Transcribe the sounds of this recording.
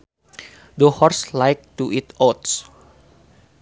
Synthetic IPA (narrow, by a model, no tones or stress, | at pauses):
dəhɔrslajk̚t̪uʔit̪ɔt̪s